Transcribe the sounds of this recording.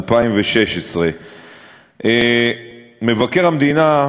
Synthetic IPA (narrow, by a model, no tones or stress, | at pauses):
lpaimveʃeʃesʁe̞ | ʔe | me̞vake̞ʁhamd̪ina